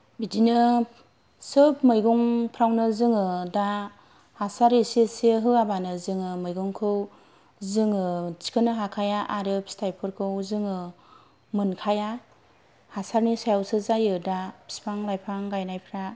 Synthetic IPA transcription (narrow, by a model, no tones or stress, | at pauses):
bidinɯ | sɯpmɯjɡɔŋpʰɾawnɯzɯŋɯda | hasaɾeseseɦɯabanɯzɯŋɯmɯjɡuŋkʰɯw | zɯŋɯt͡ʃi̥kʰɯnɯɦakʰajaʔaɾɯpstʰajpʰɯɾkʰɯwzɯŋɯ | mɯnkʰaja | hasaɾnisajawsɯzajɯdapʰi̥spʰaŋlajpʰaŋɡajnajpʰɾa